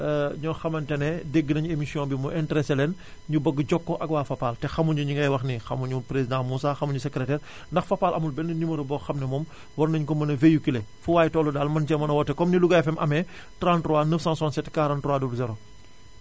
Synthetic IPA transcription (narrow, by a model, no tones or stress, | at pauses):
ɲɔxɐmɐntɛnɛdeɡːənɐɲuemisjɔ̃bimɔʔɛntɾɛsɛlɛn | ɲubəɡːɟɔkːɔʔɐkwaːfɐpaːltɛxɐmuɲuɲuŋɡɐjwɐxnixɐmuɲupɾezidãmusaːxɐmuɲusɛkɾɛtɛːr | ndɐxfɐpaːlʔɐmulbɛnːɐnimɐɾɐbɔxɐmnɛmɔm | wɐrnɐɲkɔmɐnɐvejukilɛfuwaːjtɔːludaːlmɐnt͡ʃɛmɐnɐwɔtːɛkɔmniluɡɐɛfɛmʔɐmɛ | tɾãntruwanəfsãnsɔːnsɛtkaɾãntɾuwaːdulzɛɾo